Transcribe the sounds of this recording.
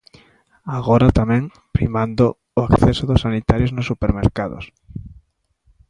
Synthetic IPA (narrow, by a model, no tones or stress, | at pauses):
aɣoɾat̪amɛ̃ŋ | pɾḭmand̪o | ʊakθɛsoðosːanit̪aɾjoznosːupeɾmḛɾkaðo̰s